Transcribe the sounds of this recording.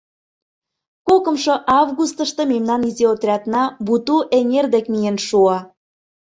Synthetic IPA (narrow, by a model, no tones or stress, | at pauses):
kokə̆mʃŏʔɑvɣust̪ə̆ʃt̪ɤ̆memnɑnizeot̪rʲɑt̪nɑbut̪uʔeŋerd̪ekmijenʃuɑ